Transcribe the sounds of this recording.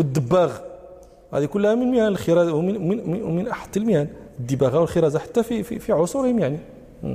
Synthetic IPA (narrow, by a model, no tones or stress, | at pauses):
wəd̪ːəbːaɣ | hæ̰d̪ikʊlːhæmənməjænəlxəɾɑzwəmənmənʔaħə̥t̪ːəlmhæn | əd̪ːəbaɣawəlxəɾˤɑzaħḁt̪ːæfifḭfiʕosˤʊɾhəmjaʕni